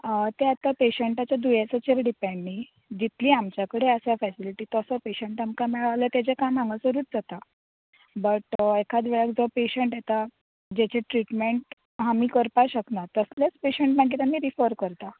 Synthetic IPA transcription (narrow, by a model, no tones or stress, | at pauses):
t̪eat̪apeɕəɳʈat͡ɕjad̪ujat͡sat͡ɕeɾɖipẽɳːi | d͡ʑit̪ʰliːamt͡ɕjakəɽeəsafɛsiliʈiːt̪ɔsəpeɕəɳʈamkamɛɭaʋlət̪ed͡zekãmãŋɡəsəɾuːt͡s̪d͡zat̪a | bəʈekʰad͡zʋɛɭəkd͡zɔpeɕəɳʈjet̪a | d͡ʑet͡ɕeʈɾiʈmeɳʈ | ɦamiːkəɾpaɕəknat̪əsljet͡speɕəɳʈmaɡiːt̪amiːɾifəɾkəɾt̪a